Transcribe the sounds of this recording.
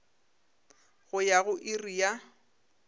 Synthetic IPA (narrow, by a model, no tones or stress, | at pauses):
ɣʊjaɣʊʔɪrija